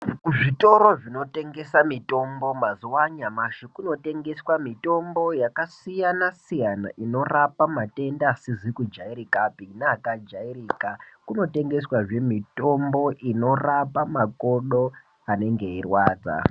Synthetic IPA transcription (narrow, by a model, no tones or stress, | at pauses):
ʐito̞ɾo̞ʐino̞te̞ŋɡe̞samito̞mbo̞maziwaɲamaʃikuno̞te̞ŋɡe̞swamito̞mbo̞jakasijanasijana̰ʔino̞rapamate̞ndaːsizikud͡ʒaiɾikapinaːkad͡ʒairiːkakuno̞te̞ŋɡe̞swaʐe̞mito̞mbo̞ʔino̞rapamako̞ɗo̞ | ane̞ŋɡe̞irwaːd͡za̰